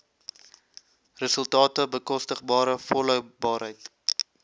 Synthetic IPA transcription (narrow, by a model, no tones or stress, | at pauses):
rəsəlˠtɑːtəbəkɔstəχbɑːɾəfɔlœwbɑːrɦəjt